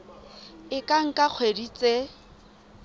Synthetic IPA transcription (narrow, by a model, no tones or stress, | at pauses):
ɪkʼaŋ̩kʼak͡xʰwedit͡sʼe